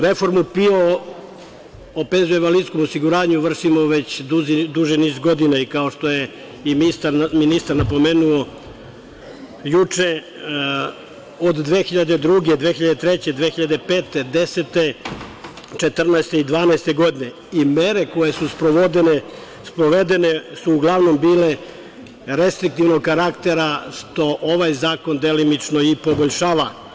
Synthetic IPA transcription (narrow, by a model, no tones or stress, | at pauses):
ɾe̞fo̞ɾmupio | openzueʋalid̪sko̞mosiɡuɾaːɲuʋr̩ʃimoʋe̞t͡ɕd̪ud̪uʒiniːzɡo̞d̪inaikao̞ʃt̪o̞je | imist̪aɾminist̪aɾnapo̞meːnuo | jut͡ʂe | od̪ːʋexiʎad̪e̞d̪ɾuɡed̪ʋeːxiʎad̪et̪ɾet͡ɕed̪ʋeːxiʎad̪e̞peːt̪ed̪e̞set̪e | t͡ʃe̞t̪r̩naest̪e̞id̪ʋaːnaest̪e̞ɡo̞d̪ine | imeɾe̞ko̞je̞suspɾoʋo̞d̪ene | spɾoʋe̞d̪enesuːɡlˠaʋno̞mbiːle̞ | ɾe̞st̪ɾik̚t̪iʋnoɡkaɾakt̪e̞ɾaʂt̪o̞ʔoʋajzaːko̞nd̪elimit͡ʃnoipo̞boʎʲʃaːʋa